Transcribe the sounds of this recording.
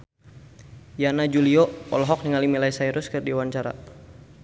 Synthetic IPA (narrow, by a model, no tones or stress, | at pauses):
janad͡ʒuliɔɔ̰lɔɦɔk̚niŋalimilaisaiɾuskərdiwaɲt͡ʃaɾa̰